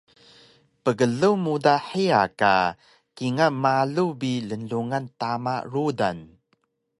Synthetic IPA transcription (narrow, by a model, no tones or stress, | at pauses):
pəɡəɮuwmudaħia̰ka̰ | kiŋamaɮubilənɮuŋantama̰ɾuda̰n